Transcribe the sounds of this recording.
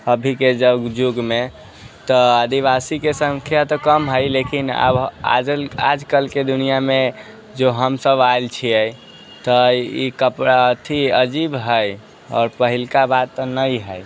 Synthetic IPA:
əbʱiked͡ʒəbɡd͡ʒuɡme | t̪ɔad̪iβasikesə̃ŋkʰjat̪ɔkəmɦəjlekina̰ba̰d͡ʒəla̰d͡ʒkəlked̪unijame | d͡ʒoɦəmsəbajlt͡ʃʰiɛj | t̪əikəpɾaət̪ʰiəd͡ʒibɦəj | ɔ̰ːɾpəɦilkabad̪̚t̪ːɔnəjɦəj

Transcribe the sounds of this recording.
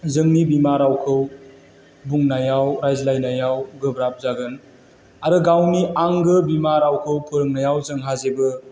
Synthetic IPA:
zɯŋnibimaɾawkʰɯw | buŋnajawɾajzlajnajawɡɯbɾap̚zaɡɯn | aɾɯɡawniaŋɡɯbimaɾawkʰɯwkʰɯɾɯŋnajawzɯŋɦazebɯ

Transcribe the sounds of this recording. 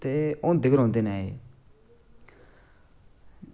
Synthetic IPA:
t̪eõːd̪ɪkəɾɦõːnd̪eːnaeː

